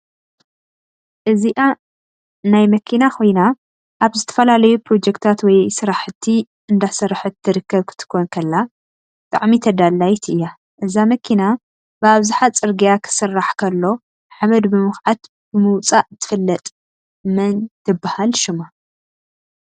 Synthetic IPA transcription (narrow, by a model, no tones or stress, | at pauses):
ʔɨziʔa | najmɐkʰinaxʰo̞jna | ʔaβzɨt̪ʰɐ̥fɐlalɐjupʰɾo̞d͡ʒɛkt̪ʰat̪wɔjsɨɾaħɨt̪ʰːi | ɨnd̪asɐɾħɨtt̪ʰːɨɾɨkʰːɐβkʰɨ̥t̪ʰɨ̥kʰːonkʰɐlːa | t̪ʼa̰ʕmit̪ʰɐd̪alːajt̪ʰʔɨjːa | ʔɨzamɐkʰina | bɨaβzuħat͡sʼɨɾɡijakʰɨ̥sɨrːaħkʰɐlːo̞ | ħamɐd̪bɨmɨxʕat̪ | b̥ɨmɨwt͡sʼaʔt̪ʰːɨ̥fɨlːɐt̪ʼ | mɐnt̪ʰɨbːahalʃɪma